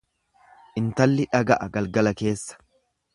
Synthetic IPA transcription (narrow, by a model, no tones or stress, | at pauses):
ʔɪnt̪ɐlːɪᶑɐɡɐʔɐɡɐlɡɐlɐke̞ːsːɐ̥